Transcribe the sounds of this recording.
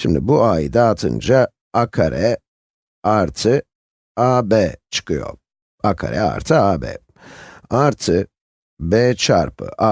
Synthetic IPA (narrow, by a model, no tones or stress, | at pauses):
ʃimd̪ibuajd̪aːt̪ʰɯ̰nd͡ʒa | akʰaɾʔɛ | aɾt̪ʰɯ | abɛt͡ʃʰɯ̥kɯjo̰ | akʰa̰ɾɛa̰ɾt̪ʰɯabɛ̰ | aɾt̪ʰɯ | bɛːt͡ʃʰaɾpʰɯ̰ʔa